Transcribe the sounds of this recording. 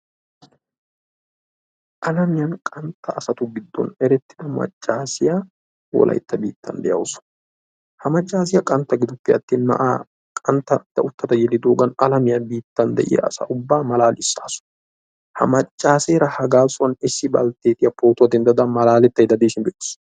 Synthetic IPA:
ʔɐlɐmɪjɐnkʼɐnt̪ːɐːsɐt̪ʊɡɪd̪ːɔ̰nɛɾɛt̪ːɪ̥ᶑ̪ɐmɐ̰t͡ʃʼːaːsɪjaː | wɔ̰lʔɐ̰jt̪ːɐbḭːt̪ʰːɐ̰nd̪ɛʔjɐ̰ʊsʊ̥ | hɐmɐt͡ʃʼːaːs̬ɪjɐkʼɐnt̪ːɐɡɪd̪ʊpːɪɐ̰t̪ːiːnmɐ̰ʔa̰ː | kʼɐnt̪ːɐt̪ːɐʊt̪ːɐt̪ɐjɛlːɪd̪oːɡɐnɐlɐmɪjɐbiːt̪ːɐnd̪ɛ̰ʔɪ̰jɐ̰ːsɐ̰ʔʊbːaːmɐlaːlʔɪsːaːsʊ̥ | hɐ̰mɐt͡ʃʼːaːseːɾɐhɐɡaːsʊɐnɪsːɪbɐ̰lt̪eːt̪ʼɪjɐpoːt̪ʊɐd̪ɪnd̪ɐd̪ɐmɐlaːlɛt̪ːɐjd̪ɐd̪eːsɪnbeːt̪ːɪ̥s

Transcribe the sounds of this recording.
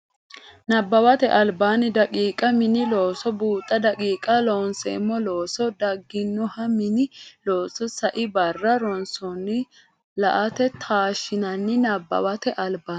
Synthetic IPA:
nɐbːɐwɐt̪ɛʔɐlbaːnɪd̪ɐkʼiːkʼɐmɪnɪloːsɔbuːt̪ʼːɐd̪ɐkʼiːkʼɐloːnsɛ̰ɪmːɔloːsɔd̪ɐɡːɪnːʊhɐmɪnɪloːsɔsɐʔɪbɐrːɐɾɔnsɔnːɪ | lɐʔɐt̪ɛt̪ʰaːʃɪnɐnːɪnɐbːɐ̰wɐt̪ɛʔɐlbaː

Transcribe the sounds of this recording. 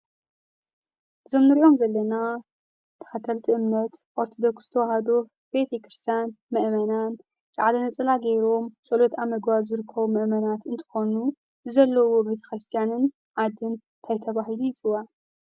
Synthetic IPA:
ʔɨzo̞mnɨɾiʔo̞mzɐlːɐna | t̪ʰɐ̥xɐt̪ʰɐlt̪ʰiʔɨmnɐt̪ʔoɾt̪ʰod̪o̞ksɨ̥t̪ʰɐwahɐd̪o | b̥et̪ʰekɾɨst̪ʰjanmɨʔmɐnan | kʰʕad̪ɐnɐt͡sʼɨlaɡeɾo̞mt͡sʼɐlot̪amɐɡwazɨɾɨkʰːɐβumɨʔmɐnat̪ɨnt̪ʰɨ̥xo̞nu | ɨzɐlːɐwo̞be̞t̪ʰɐ̥xɾɨst̪ʰijanɨn | ʕad̪ɨn | t̪ʰajt̪ʰɐβaɦilujɪt͡sʼɨwːa

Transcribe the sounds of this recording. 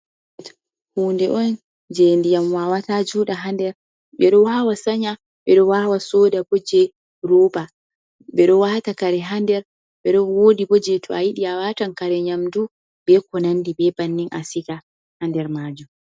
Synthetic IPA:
ɛt | huːndɛʔɔn | d͡ʒendijamwawatad͡ʒuːɗaɦandɛɾ | ɓɛɗɔwawasaɲa | ɓɛɗɔwawasɔːdabod͡ʒɛ | ɾɔːba | ɓɛɗɔwatakaɾɛɦandɛɾ | ɓɛɗɔwoːdibɔd͡ʒɛtʰɔajiɗiawatankaɾɛɲamdu | bɛkɔnandibɛbanːinʔa̰sika | handɛɾmaːd͡ʒum

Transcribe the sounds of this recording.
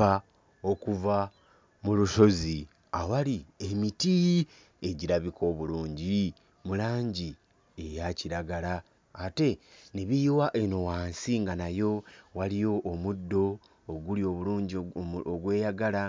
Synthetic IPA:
a | o̞kuva | muluʃo̞zi | awalie̞miti | e̞ɟiɾaβikʰo̞ːβuluːɲɟi | mulaːɲɟi | e̞jaciɾaɡalaː | te̞neβiːwaʔeno̞waːnsiŋɡanajo̞walijo̞ʔːmudːo̞ː | ɡulio̞βuluːɲɟoɡwe̞ːjaɡala

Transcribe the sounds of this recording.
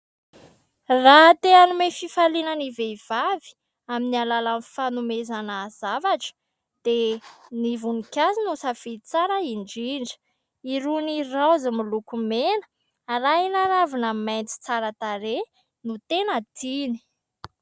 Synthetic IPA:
rat̪eanumefifalinənivev̥avi̥ | aminialalanfanumezanəzavaʈ͡ʂə̥ | d̪̥enivunikʲazinusafit͡saɾəiɳɖ͡ʐiɳɖ͡ʐə̥ | iɾunirazəmilukumenə̥ | rainaɾavinamajnt͡si̥t͡saɾət̪aɾe | nut̪enət̪ini̥

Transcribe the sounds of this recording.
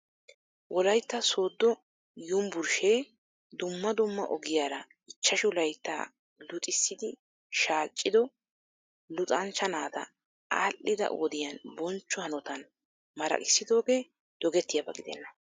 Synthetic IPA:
wʔɔlɐjt̪ːɐso̞ːd̪ːɔ | jʊmbʊɾʃeː | d̪ʊmːɐd̪ʊmːɐ̰ʔɔɡɪjaːɾɐ | ɪt͡ʃːɐʃʊlɐjt̪ːa̰ː | lʊt̪ʼɪsːɪd̪ɪ | ʃaːt͡ʃʼːɪd̪ɔ | lʊt̪ʼɐnt͡ʃːɐnaːd̪ɐ̰ | aːlːɪd̪ɐ̰wɔd̪ɪjɐnbɔnt͡ʃːɔhɐnɔt̪ɐn | mɐɾɐ̰kʼɪsːɪd̪o̞ːɡeː | d̪̥ɔɡɛt̪ːɪjɐbɐɡɪd̪ɛ̰nːɐ

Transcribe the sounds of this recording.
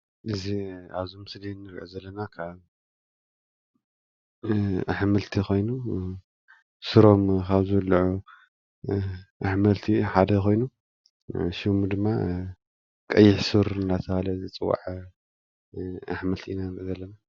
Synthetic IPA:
ʔɨziaβzumɨslinːɨɾʕuzɐlːɐnakʰaβ | aħmɨlt̪ʰiko̞jnu | sɨɾo̞mkʰaβzɨwlːʕu | ʔaħmɐlt̪ʰiħad̪ɐkʰo̞jnu | ʃimud̪ɨmːa | kʼɐjːɪħsɨɾɨnːat̪ʰɐhalɐzit͡sʼɨwːa̰ʕ | aħmɐlt̪ʰiʔinazɐlːɐna

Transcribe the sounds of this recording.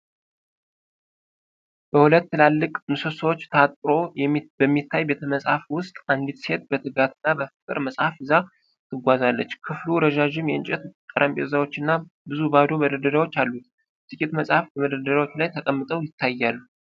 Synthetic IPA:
b̥əhulət̪ːɨlalːɨkʼmɨsosəwo̞t͡ʃːt̪ʰəat̪ʼɾo̞jɛbəmːit̪ːajbe̞t̪ʰəməsʼhafwʊst̪ʼand̪it̪se̞t̪̚bət̪ʰɨɡat̪ʰɨnːabəfɨkʼɨ̰ɾməsʼhafɨza | t̪ʰɨɡʷazalːə̰t͡ʃːkʰɨfluɾəʒaʒɪmjɛɨnt͡ʃʼɛt̪k̪ʼəɾʔəmpʼeɾzawo̞t͡ʃːɨnːabɨzubad̪oməd̪əd̪əɾawo̞t͡ʃːalːut̪̚ | t̪ʼɨkʼit̪məsʼhafbəməd̪əd̪əɾawot͡ʃːlajt̪ʰəkʼəmːɨt̪ʼəwjɪt̪ʰːajːalːu

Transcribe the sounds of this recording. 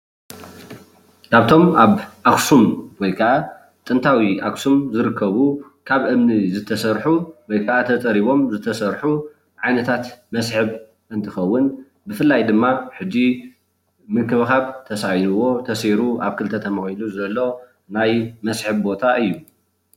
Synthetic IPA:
kʰaβt̪ʰo̞maβʔaksumwɔjkʰɐʔa | t̪ʼɨnt̪ʰawiʔaksumzɨɾɨkʰːɐβu | kʰaβʔɨmnizɨt̪ʰɐsɐɾħuwɔjkʰaʔat̪ʰɐt͡sʼɐɾiβo̞mzɨt̪ʰɐsɐɾħu | ʕajnɐt̪ʰat̪mɐsħɨβ | ʔɨnt̪ʰɨxɐwːɨn | bɨfɨlːajd̪ɨmːaħɨd͡ʒːi | mɨkɨβxaβt̪ʰɐsajnuwo̞t̪ʰɐsiɾuʔaβkʰɨlt̪ʰɐt̪ʰɐmɐxhiluzɨɐlːo̞ | najmɐsħɨβbo̞t̪ʰaʔɨjːu

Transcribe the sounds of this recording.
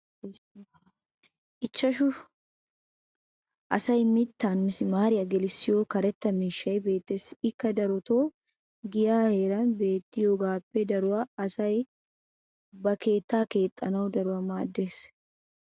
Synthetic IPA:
ʔɪt͡ʃːɐʃʊ | ʔɐsɐjmɪt̪ːaːnmɪsɪmaːɾɪjɐɡɛlɪsːɪjoːkɐɾɛt̪ːɐmiːʃːɐjbe̞ːt̪ːe̞ːsɪkːɐd̪ɐɾɔt̪o̞ː | ɡɪjaːhe̞ːɾɐnbe̞ːt̪ːɪjoːɡaːpːɛd̪ɐɾʊwaɐsɐj | bɐke̞ːt̪ːaːke̞ːt̪ʼːɐnɐwd̪ɐɾʊɐmaːd̪ːeːs

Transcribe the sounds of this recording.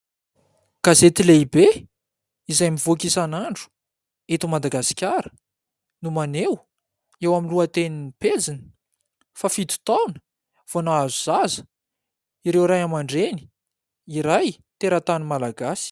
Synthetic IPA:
ɡ̥azet̪ileibe | izajmivokisanaɳɖ͡ʐu̥ | et̪umad̪aɡasi̥kʲaɾə̥ | numanew | ewaminluat̪eniniped͡zinə̥ | fafid̪u̥t̪awnə̥ | v̥onaazuzazə̥ | iɾewɾajamaɳɖ͡ʐeni̥ | iɾaj | t̪eɾat̪animalaɡasi̥

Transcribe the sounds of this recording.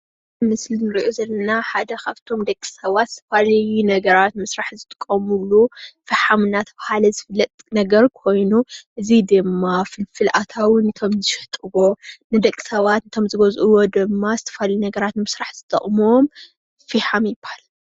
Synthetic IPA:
mɨslinɨɾiʔozɐlːɐnaħad̪ɐkʰaβt̪ʰo̞md̪ɐkʼːi̥sɐβat̪zɨ̥t̪ʰɐfalɐjunɐɡɐɾat̪mɨsɾaħzɨt̪ʰʼɨ̥kʼːɐmulufɐħamɨnat̪ʰɐβahalɐzɨfɨlːɐt̪ʼnɐɡɐɾkʰo̞jnuʔɨzid̪ɨmːafɨlfɨlʔat̪ʰawɨnːɨt̪ʰo̞mzɨʃɪħt̪ʼɨβo̞nɨd̪ɐkʼːi̥sɐβat̪nɨt̪ʰo̞mzɨɡɐzʔuwod̪ɨmːazɨt̪ʰɐ̥falɐjunɐɡɐɾat̪nɨmɨsɾaħz̥ɨt̪ʰʼɐ̰χʼmom | fihamjɪbahalɐ

